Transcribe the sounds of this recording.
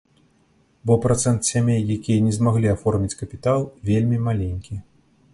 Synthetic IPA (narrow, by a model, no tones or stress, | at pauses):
bɔpɾat̪sɛnt̪sʲamʲejːakʲijɐnʲɛzmaɣlʲiafɔrmʲit͡sʲkɐpʲit̪alˠvʲelʲmʲimalʲenʲkʲi